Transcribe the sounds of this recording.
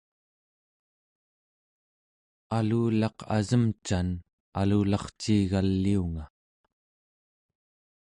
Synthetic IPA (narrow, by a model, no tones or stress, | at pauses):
aluːlɑqʰa̰zəmt͡ʃan | aluːlɑχt͡ʃiːɣalːiuŋa